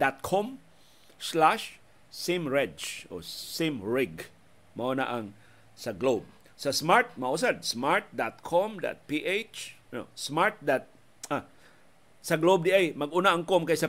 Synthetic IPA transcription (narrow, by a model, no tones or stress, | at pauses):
d̪̥at̪̚kʰom | slaʃ | sɪmɹɛdt͡ʃʔo̰simɹɪɡ | maʔona̰ʔaŋ | sɐɡlob̚ | sɐsmaɹt̪̚maʔus̬ad̪̚smaɹt̪̚d̪at̪̚kʰɔmd̪a̰t̪̚piʔet͡ʃno̰smaɹt̪̚d̪at̪̚ | a | sɐɡlob̚d̪iʔajmɐɡunaʔaŋkomkajsa